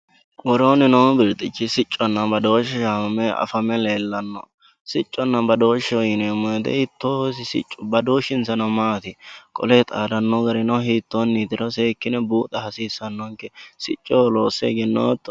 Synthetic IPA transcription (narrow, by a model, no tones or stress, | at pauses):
wɔɾoːnɪnoːbɪɾt̪ʼɪt͡ʃːɪsɪt͡ʃʼːɔnːɐbɐd̪oːʃɛʃaɐmɛɐ̰fɐmɛleːlːɐnːɔ̰ | sɪt͡ʃʼːɔnːɐbɐd̪oːʃːɛɔjɪnemɔd̪ɛ̰hɪt̪ːosɪsɪ̰t͡ʃʼːʊbɐd̪oːʃɪnsɐnɐmaːt̪ɪkʼɔ̰let̪ʼaːd̪ɐnːɔɡɐɾɪnɔɦiːt̪ːonːiːt̪ɪɾɔseːkːɪnɛbuːt̪ʼɐhɐsiːsːɐnːɔŋkɛsɪ̰t͡ʃʼːoloːsːḛɡɪnːoːt̪ːɔ̥